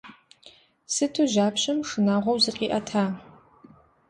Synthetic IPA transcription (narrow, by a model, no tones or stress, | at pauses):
sɨtʰuʒaːpɕɐmʂɨnaːʁʷɔwzɨqʼiːʔɐtʰaː